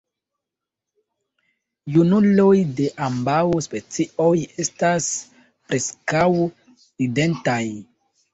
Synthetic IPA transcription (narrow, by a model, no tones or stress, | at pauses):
junulo̞jde̞ʔambawspe̞t͡siʔoje̞stas | pɾʔeskaw | ide̞ntaj